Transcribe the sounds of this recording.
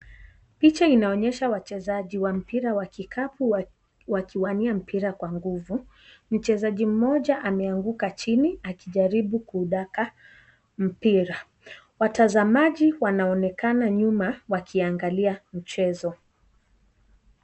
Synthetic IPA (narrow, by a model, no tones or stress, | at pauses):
pit͡ʃainaɔɲɛʃawat͡ʃɛzaʄiwam̩piɾawakikʰapu | wakiwaniam̩pʰiɾakwaŋɡuvu | m̩t͡ʃɛzaʄim̩mɔʄaʔamɛaŋɡukat͡ʃiniakiʄaɾiɓukuːɗaka | m̩piɾa | watazamaʄiwanaɔnɛkanaɲumawakʰiaŋɡaliam̩t͡ʃɛzɔ